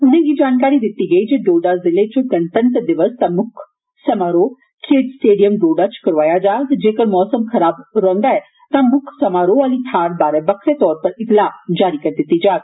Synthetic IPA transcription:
ʊnẽɡid͡ʒaːnkaːɾid̪ɪt̪ːiɡɐid͡ʒeːɖoːɖazɪlet͡ʃoɡɐ̃nʈ̪ənt̪d̪ɪʋəst̪amʊkʰ | sɐmaːɾo | kʰeːɖsʈeːɖijəmɖoːɖat͡ʃkɐɾʋaːjad͡ʒaːt̪d͡ʒeːkəɾmɔːsəmxɐɾaːbɾɐɦnd̪aɦɛ | t̪amʊkʰsɐmaːɾoaːlit̪ʰaːɾbaːɾebɐkʰɾet̪ɔːɾpɐɾɪt̪laːd͡ʒaːɾikɐɾd̪ɪt̪ːid͡ʒaːk̪

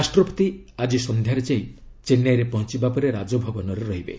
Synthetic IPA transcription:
asʈɾɔpɔ̥t̪iad͡ʒisɔnd̪ʱjaɾet͡ʃait͡ʃenjajɾepɔɦɔnt͡ʃibapɔɾeɾad͡ʒɔbʱɔbɔnɔɾeɾɔɦibḛ

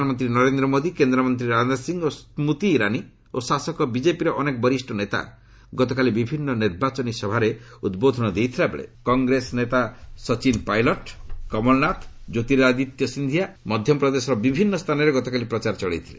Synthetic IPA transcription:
mɔnt̪ɾinɔɾend̪ɾɔmod̪ikend̪ɾɔmɔnt̪ɾiɾand̪aɾsiŋosmut̪iɾani | osasɔkɔbid͡ʒepiɾɔʔɔnekɔbɔɾisʈʰɔnet̪a̰ | ɡɔt̪ɔkalibibʱinːɔniɾbat͡ʃɔnisɔbʱaɾeud̪bod̪ʱɔnɔd̪ejt̪ʰilabḛɭḛkɔŋɡɾesnet̪asɔt͡ʃinpajlɔʈkɔmɔlnat̪ʰd͡ʒot̪iɾad̪it̪jɔsind̪ʱijamɔd̪ʱjɔpɾɔd̪esɔɾɔbibʱinːɔst̪ʰanɔɾeɡɔt̪ɔkalipɾɔt͡ʃaɾt͡ʃɔɭejt̪ʰi̥le

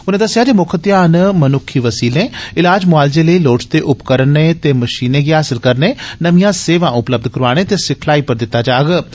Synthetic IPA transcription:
ʊnẽːd̪əsɪjaːd͡ʒeːmʊkʰət̪jãːnmənʊkʰːiːʋəsiːlẽːɪlaːd͡ʒmʊaːld͡ʒeːləiːloːʈt̪eːʔʊpkəɾənːeːt̪eːməʃiːneːɡiɦaːsɪlkəɾneːnəʋijãːseːʋãːʔʊpləb̚d̪kəɾaːɽ̃eːt̪eːsɪkʰlaːiːpəɾd̪ɪt̪ːaːd͡ʒaːɡ

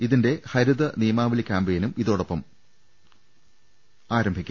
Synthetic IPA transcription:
iðinde̞hɐɾuðɐnijɐmaːʋilkʲːaːmbejnumiðo̞ːɽopːɐm | aːɾɐmbʱikʲː

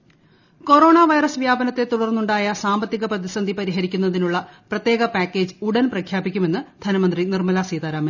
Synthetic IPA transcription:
ko̞ɾo̞ːɳaːʋɐjrɐsʋjaːbɐnɐt̪ːe̞t̪uɽɐrnːuɳɖaːjɐsaːmbɐt̪ːiɣɐprɐðisɐnd̪ʱipɐɾiɦɐɾikʲːunːɐðinuɭːɐprɐt̪je̞ːɣɐpaːkːe̞ːd͡ʑɨuɽɐnprɐkʰjaːbikʲːume̞nːɨd̪̥ʱɐnɐmɐnd̪rinirmɐlasiːt̪aːɾaːmin

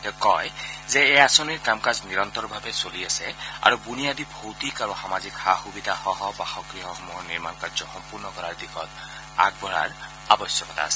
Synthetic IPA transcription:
t̪ɛkɔjzɛːjasoniɹkamkazniɾɔnt̪ɔɹbʱabɛsoliasɛa̰ɹubunijad̪ibʱowt̪ikaɹuxamazikhaxubid̪ʱaxɔɦɔbaxɔkɹiɦɔhɔmɔɔniɹmankaɹzɔxɔmpuɹnɔkɔɹaɹd̪ikʰɔt̪ | a̰ɡ̚bʱɔɹa̰ɹ | abɔsjɔkɔt̪a̰ːsɛ̥

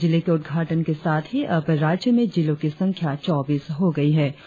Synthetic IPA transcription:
d͡ʒɪlekeʊd̪̚ɡʱaːʈənkesaːt̪ʰɦiʔɐpɾaːd͡ʒjəmẽd͡ʒɪlõkisɐ̃ŋkʰjat͡ʃɔːbiːsɦoɡɐiɦɛː

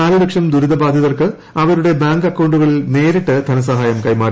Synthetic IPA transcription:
aːlɨlekʂɐmd̪uɾud̪ɐbaːd̪ʱjɐðɐrkɨ | ɐʋɐɾuɽe̞baːŋɡɐkːɐwɳɖuɣɐɭneːɾiʈːɨd̪ʱɐnɐsɐɦaːjɐmkɐjmaːɾ

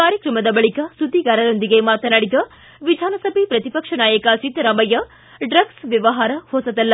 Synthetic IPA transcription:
kaːɾjɐkɾɐmɐd̪ɐbɐɭikɐsud̪iɡaːɾɐd̪ond̪iɡemaːt̪ɐnaːɽid̪ɐ | ʋid̪ʱaːnɐsɐbʱipɾɐt̪ipɐkʂɐnaːjɐkaːt͡ʃit̪ɐɾamɐjɐ | ɖɾɐɡsʋjɐʋɐɦaːɾɐhoːsɐd̪ɐlːɐ

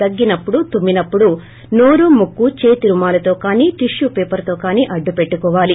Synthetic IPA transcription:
ɐɡːinɐpːuɽut̪umːinɐpːuɽu | no̞ːɾumukːut͡ʃeːt̪iɾumaːlɐt̪o̞ːkaːniːʈiʂjupeːpɐɾt̪o̞ːkaːniːʔɐɖːupe̞ʈːukɔːʋaːli

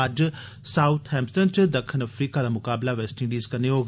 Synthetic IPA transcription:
əd͡ʒ | saːʊt̪ʰɦɛ̃ːmsənt͡ʃd̪əkʰːənəfʰɾiːkad̪aːmʊkaːblaːʋɛːsʈɪ̃ɳɖiːzkəneɦoːɡ

